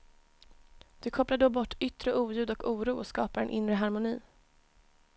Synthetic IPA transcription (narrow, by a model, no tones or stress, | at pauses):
d̪̥ɵkʰɔplaɖ̪oːbɔʈːʏt̪ːɾəʔuːjʉ̟ːd̪ɔkuːɾuːɔskɑ̰ːpaɾɛ̰nʔɪnɾəɦaɾmʊniː